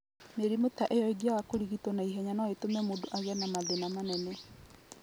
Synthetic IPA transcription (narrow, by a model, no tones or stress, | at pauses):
meɾimotaʔejɔeɡiawakoɾiɣitɔnaiɦɛɲanɔetomɛmodoʔaɣɛnamaðenamanɛnɛ